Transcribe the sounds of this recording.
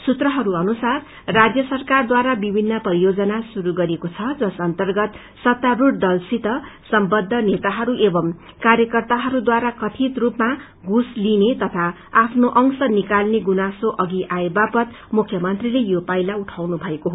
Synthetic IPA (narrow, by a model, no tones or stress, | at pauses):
sut̪rʌɦʌɾuʌnusarː | ad͡zjʌsʌrkard̪waɾabibʱinːʌpʌɾijod͡zʌnasuɾuɡʌɾekot͡sʰʌd͡zʌsʌnt̪ʌrɡʌt̪ | sʌt̪ːaruʈd̪ʌlsit̪ʌsʌmbʌd̪ʱːʌnet̪aɦʌɾuʔebʌm | kaɾjʌkʌrt̪aɦʌɾud̪waɾakʌt̪ʰit̪rupma | ɡuslinet̪ʌt̪ʰa | apʰnoʔʌŋsʌnikalneɡunasoʔʌɡiʔaebapʌt̪ | mukʰjʌmʌnt̪rilejopajlauʈʰawnubʱʌekoɦo